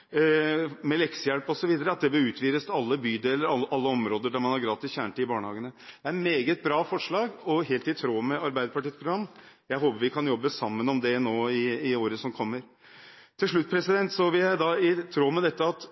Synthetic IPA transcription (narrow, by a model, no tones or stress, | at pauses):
mɛlɛksəjæɽpɔsɔʋiːd̪əɾəɑt̪̚d̪ɛbəɾʉːt̪ʰʋiːɾəst̪ɑlːəbyːd̪eːlːəɾɑʔɑlːəɔmɾoːd̪əɖæɾmɑnhɑɾɡɾɑːt̪ɪsçæːɳʈɪbɑːɳəhɑːɡənəd̪̥ɛæɾmeːɡət̪̚bɾɑːfɔʂɭɑːɡɔɦeːlt̪ɪt̪ʰɾoːmɛɑɾbæɪd̪əpʰɑʈiːspʰɾʊɡɾɑmːjæɪɦoːpəɾʋɪkʰɑnjɔbːəsɑmːənɔmd̪ɛnoːɪɪoːɾəsɔmkʰɔmːəɾ | t̪ʰɪlʂɭʉt̪̚ːpʰɾɛsɪd̪ɛnt̪sɔʋɪljæɪd̪ɑɪt̪ʰɾoːmɛd̪ɛt̪ːəɑt̪